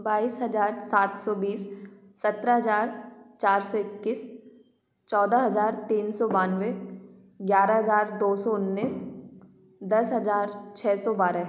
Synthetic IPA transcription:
baːiːsɦɐzaːɾsaːt̪ʰsɔbiːsː | ɐt̪ɾəɦɐzaːɾt͡ʃaːɾsɔɪkːɪs | t͡ʃɔːd̪aɦɐzaːɾt̪iːnsɔbaːnwe | ɡjaːɾəɦɐzaːɾd̪oːsɔʊnːiːs | d̪ɐsɦɐzaːɾt͡ʃʰɛːsɔbaːɾə

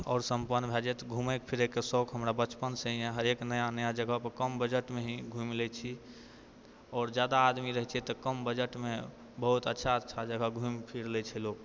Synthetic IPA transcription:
ɔ̰ːɾsəmpənbʱɛd͡ʒɛt̪ɡʱumekpʰiɾekːesɔkɦəmɾabət͡ʃpənsə̃ĩẽɦəɾeknəjanəjad͡ʒəɡʱəpəkəmbəd͡ʒəʈmeɦĩɡʱũmlɛt͡ʃʰi | ɔːɾd͡ʒjad̪aːd̪miɾəɦɛt͡ʃʰɛt̪ɔkəmbəd͡ʒəʈme | bəɦut̪ətːʃʰaətːʃʰad͡ʒəɡʱəɡʱũmpʰiɾlɛt͡ʃʰɛlok

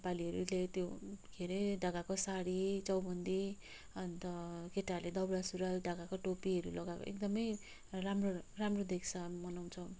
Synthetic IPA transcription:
paliɦʌɾulet̪joɡʰʱeɾeɖʌɡakosaɽit͡sʌwbʌnd̪i | ʌnt̪ʌkeʈaled̪ʌbɾasuɾʌlɖʱʌɡakoʈopiɦʌɾulʌɡako̰ʔḛkd̪ʌmʌj | ramroramrod̪ekʰsʰʌmʌnaw̃t͡sʰʌ

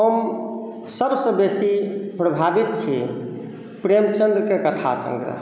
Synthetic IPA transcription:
ɦəm | səbsə̃besipɾəbʱabit̪̚t͡ʃʰi | pɾemt͡ʃənd̪ɾkekət̪ʰa̰sə̰̃ŋɡɾə̰ɦ

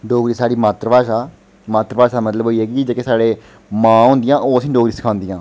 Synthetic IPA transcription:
ɖoːɡɾiːsaːɽiːmaːt̪ɾəʋaːʃaː | maːt̪ɾəpaːʃaːmət̪ləbɦoːiːɦɛːɡid͡ʒeːkeːsaːɽeː | mãːɦʊ̃ːnd̪ɪjãːʔoːsĩːɖoːɡɾiːsə̥kʰãːnd̪ɪjãː

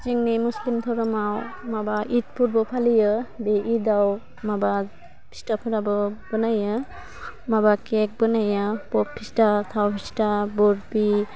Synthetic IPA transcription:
t͡ʃiŋnimuslimt̪ʰɔɾɔmawmabaʔit̚pʰuɾbɔpʰalijɯbeʔidaw | maba | pʰi̥stapʰuɾabɯb̥ɯnajɯ | mabakek̚bɯnajapɔpʰːistatʰawpʰistabɔɾbi

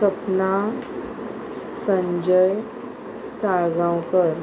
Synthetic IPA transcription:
kəpna | səɲd͡ʑəj | saɡãwkəɾ

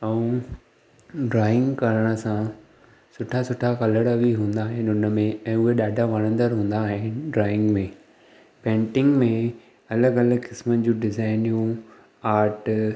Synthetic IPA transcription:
ɐũ | ɖɾaːɪ̃ŋɡkɐɾəɽ̃ə̆sã | sʊʈʰasʊʈʰakɐləɽəbʱiɦũːn̆d̪aːɦɪnʊnə̆mẽɛ̃ːʊɦeɗaːɖʱaʋɐɽ̃ə̃nd̪əɾɦũːn̆d̪aːɦɪ̃ɖɾaːɪ̃ŋɡmẽː | pẽːɳʈɪ̃ŋɡmẽ | ɐləɡɐləɡkɪsmənɪ̆d͡ʑũɖɪzaːɪnijũ | aːɾʈ

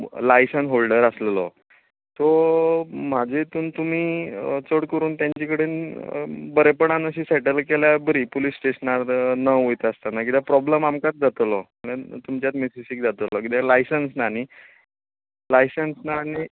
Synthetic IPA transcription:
lajsənɦolɖəɾəslelɔ̰ | t̪ɔ | m̤ad͡ʑʱet̪uːnt̪um̤iːt͡səɽkəɾuːnt̪jãɲt͡ɕikəɽeːn | bəɾepəɳ̃anəɕiːsɛʈəlkeljabəɾiːpolisːʈeɕənaɾnəojt̪əst̪anakit̪japɾɔbləmamkat͡sd͡zat̪lɔməɽ̃ẽt̪umt͡ɕjat̪mesiɕiːk̚d͡zat̪lɔkit̪alajsənsnani | lajsənsnaːñi

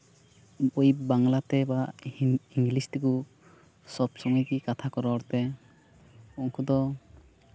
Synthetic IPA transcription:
ujibaŋlat̪ɛba | iŋɡlist̪ɛku | sɔbsɔŋɔkikat̪ʰakɔɾɔɾt̪ɛ | uŋkʰud̪ɔ

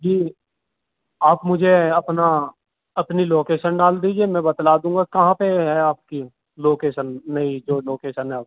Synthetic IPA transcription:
d͡ʒiː | aːpmʊd͡ʒʱeɐpna | ɐpniloːkeːʃənɖaːld̪iːd͡ʒiemɛ̃bɐt̪laːd̪ũːŋɡakɐɦãpeɦɛaːp̚ki | loːkeːʃənːɐid͡ʒoːloːkeːʃənɦɛ

